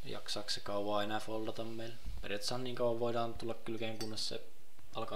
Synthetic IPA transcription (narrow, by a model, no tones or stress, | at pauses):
jɑ̰ksɑːkssekɑuʋɑːenæfold̪ɑt̪ɑmmeil | pḛrɑt̪shɑnniːŋkɑwʋːɑʋʋoiɾɑːnt̪ulːɑkkylkeːŋkunːessḛ | ɑlkɑː